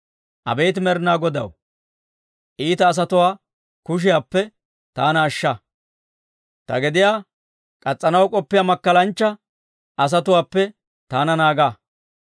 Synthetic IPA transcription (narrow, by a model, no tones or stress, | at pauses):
ʔɐ̰bɛjt̪ɪmɛɾnaːɡɔd̪ɐ̰w | ʔiːt̪ɐːs̬ɐt̪ʊwaː | kʊʃ̬ɪjaːpːɛ | t̪aːnɐːʃːɐ | t̪ɐ̰ɡɪd̪ɪjaː | kʼɐt͡sʼːɐnɐwkʼɔpːɪjamɐkːɐlɐnt͡ʃːɐ | ʔɐs̬ɐt̪ʊwaːpːɛ | t̪aːnɐnaːɡaː